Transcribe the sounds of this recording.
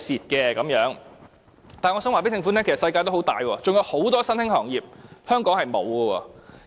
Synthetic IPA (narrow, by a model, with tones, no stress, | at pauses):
siː˨˩t̚kɛː˧kɐ˨˥mjœː˨˥ŋ | t̪aː˨nŋɔː˨˧sœ˨˥ŋwaː˨pe˨˥t̪ʰɪ˧ŋfu˧˥nɛː˥kʰe˨˩sɐ˨˩sɐ˧jkaː˧jt̪o˥hwt̪a̰ː˨jwɔː˧t͡sʊ˨ŋjɐ˧who˨˥wt̪ɔː˥sɐ˥nɪ˥ŋhɔː˨˩ŋjiː˨˩p̚hœː˥ŋkɔː˨˥ŋhɐ˨jmo˨˧wkɔː˧wɔ̰ː˧